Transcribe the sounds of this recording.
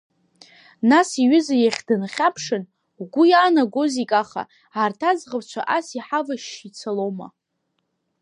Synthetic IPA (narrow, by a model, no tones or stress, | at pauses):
nasiɥʏzajaχʲdɨnχʲapʰʂɨn | wɡʷʊjaːnaɡʷozikʼaχa̰ | aːrtʰazʁawt͡ʃʷʰa̰ʔasiħavaʃit͡sʰalowma̰